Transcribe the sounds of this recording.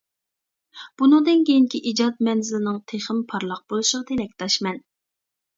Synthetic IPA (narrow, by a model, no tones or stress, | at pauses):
b̥unɨŋd̪ɨnkʲejiŋkʲʰiʔid͡ʒɑt̪̚mɛnzɪlɪnɪŋt̪ʰeχɪmpʰɑɾlˠɑq̚b̥olˠuʃəʁɑt̪ʰelɛk̚ʲt̪ʰɑʃmɛn